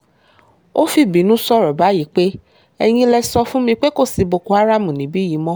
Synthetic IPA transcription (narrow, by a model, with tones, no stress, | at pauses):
o˦fi˦˨bĩ˨˦nũ˦sɔ˦˨ɾɔ˨ba˨˦ji˨˦k͡pe˦ | ɛ˧j̃ĩ˧lɛ˧sɔ˧fũ˦mĩ˧k͡pe˦ko˦˨si˨˧bo˧ko˧a˦ɾa˦˨mũ˨nĩ˨˦bi˦ji˨˦mɔ̃˦